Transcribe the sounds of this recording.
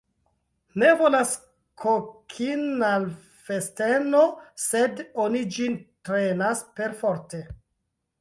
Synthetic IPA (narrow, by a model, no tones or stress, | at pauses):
ne̞vo̞las | kʰokʰinal | festeno̞se̞donid͡ʒintɾenaspe̞ɾfo̞ɾte